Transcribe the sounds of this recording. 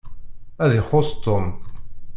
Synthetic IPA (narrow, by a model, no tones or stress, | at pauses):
æðɪχost̪ːom